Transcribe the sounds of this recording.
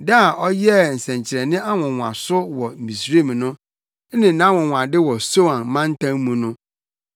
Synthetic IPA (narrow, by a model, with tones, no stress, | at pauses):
da˦˨ʔɔ˦jɛ˦n̩˨sɛ̃˨ɲ˨t͡ɕʰɪ˨ɾɛ˨nɪ̃˦ʔa˦wɔ̃˨wʷã̰˨sʊ˦wɔ˨m̩˨mĩ˨sɾe˦˨m̃˨nʊ̃˦ | nɪ̃˨nã˨˦wʊ̃˨wʷã˨dɪ˦wɔ˨so˦ã˨nmã˦n̩˦tʰã˦ŋ˦mũ˨˦nʊ̃˦